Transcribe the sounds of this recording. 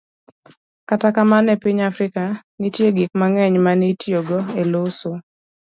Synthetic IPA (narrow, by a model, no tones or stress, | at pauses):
katakamanɛpiɲafɾɪkanitjeɡik̚maŋɛɲmanitjoɡoeloso